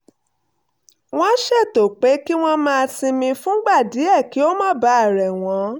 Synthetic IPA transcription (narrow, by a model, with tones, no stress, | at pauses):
w̃ɔ̃˦ʃɛ˦˨to˨k͡pe˨˦ki˦w̃ɔ̃˦mãː˦˧tĩ˧mĩ˧fũ˦ɡ͡ba˦˨di˨˦ɛ˦˨ki˨˦o˦mã˦ba˨˦˨ɾɛ˨w̃ɔ̃˨˦